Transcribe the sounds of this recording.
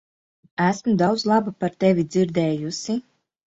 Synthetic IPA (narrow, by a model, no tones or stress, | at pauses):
æsmud̪awd̪zlˠabapaɾt̪ɛvʲid̪ziɾd̪ɛːjusi